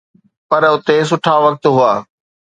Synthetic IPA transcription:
pɐɾʊt̪es̬ʊʈʰaʋɐk̚t̪ɦʊaː

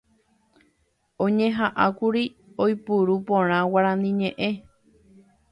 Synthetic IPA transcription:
õɲẽɦaʔakuɾi | ojpuɾupõɾ̃ãwaɾãnĩɲẽʔe̞

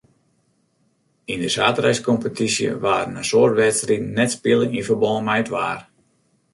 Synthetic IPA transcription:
indəsaːtəɾɛjskɔmpətʰisjə̰ʋaːrnəsoːrtʋɛtstridn̩ːɛtspɪlɪŋifərbɔlˠəmɛjtʋa̰ːr

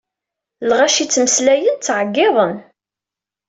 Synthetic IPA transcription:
lʁæʃit͡sːməslæjənt͡sːʕəɡːɪðˤən

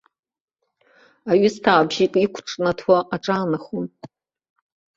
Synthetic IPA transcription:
aɥʊstʰaːbʒikʼikʷʰʈ͡ʂʼnatʰwaʔaʈ͡ʂʼaːnaχon

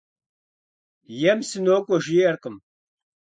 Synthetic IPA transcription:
jɛmsɨnoːkʷʼɔʒijɛrqəm

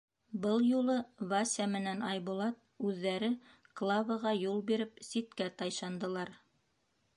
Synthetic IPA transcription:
bɤlˠjulˠɤvasʲɑmɘ̆nænɑjbulˠɑt̪̚ʉðːæɾɘklˠɑvɤʁɑjulˠbiɾɘp̚sit̪kæt̪ɑjʃɑnd̪ɤ̆lˠɑɾ

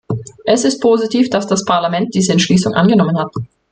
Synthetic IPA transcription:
ʔɛsɪst̚pʰoːzitʰiːfd̥asd̥aspʰaɐlamɛnt̚d̥iːzəɛntʃliːsʊŋʔa̰nɡənɔmənhat̚

